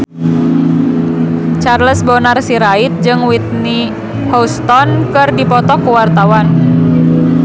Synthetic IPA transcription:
t͡ʃarləsbɔnarsiɾait̪̚d͡ʒɨŋwit̪̚ni | hɔst̪ɔnkɨrdipɔt̪ɔkuwart̪awan

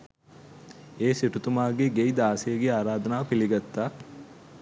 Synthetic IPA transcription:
eːsiʈut̪umaːɡeɡejd̪aːsejəɡeaːɾaːd̪ɐnaːʋəpiliɡat̪ːaː

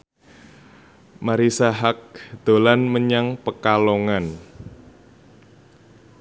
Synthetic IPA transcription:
maɾisaɦak̚d̪̥o̤lanməɲaŋpəkaloŋan

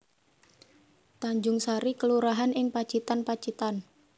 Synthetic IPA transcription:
t̪aɲd͡ʒʊŋsaɾikəluɾaɦanɪŋpḁt͡ʃit̪anpḁt͡ʃit̪an

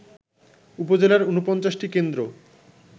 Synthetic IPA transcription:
upod͡ʑelaɾunupɔnt͡ɕaʃʈikend̪ɾo

